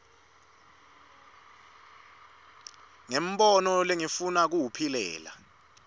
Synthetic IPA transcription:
ŋem̩ɓɔnɔleŋifunak̬uwupʰilɛ̰ːla̰

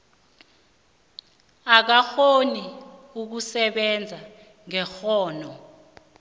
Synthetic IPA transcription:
ak̬axoniuk̬usɛɓɛnd͡zʱa | ŋɛxɔːnɔ

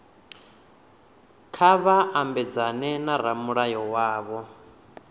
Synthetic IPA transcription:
kʰaβaambɛd͡zanɛnaɾamuɺajɔwaːβɔ

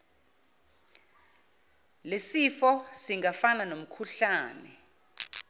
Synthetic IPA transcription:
lesifɔsiŋafananom̩kʰuɬaːnɛ

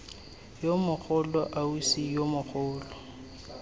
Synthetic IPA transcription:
jomʊk͡xʰʊlɔʔausijomʊk͡xʰʊːlɔ

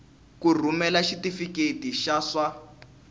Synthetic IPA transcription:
kur̤umɛlaʃitifiketiʃaʂwa

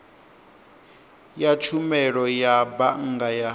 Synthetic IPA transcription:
jat͡ʃʰumɛɺɔjabaŋ̩ɡaja

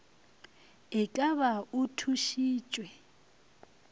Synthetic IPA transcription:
ɪkʼaβautʰuʃiːt͡ʃʼwɛ

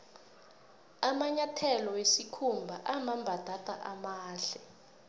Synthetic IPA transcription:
amaɲatʰɛlɔwesikʰumbʱa̰ʔamambʱad̥ʱatʼa̰ʔamaːɬɛ

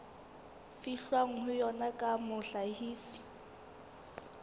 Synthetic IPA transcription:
fiɬwaŋ̩hʊjɔnakʼamʊɬahiːsi̥

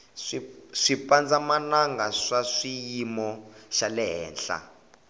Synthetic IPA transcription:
ʂiʂipand͡zamanaŋɡaʂaʂijimɔʃalɛɦɛ̰ːnɬa̰

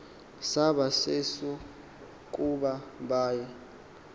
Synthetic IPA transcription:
saɓasesɔ | kʼuɓaɓaːjɛ

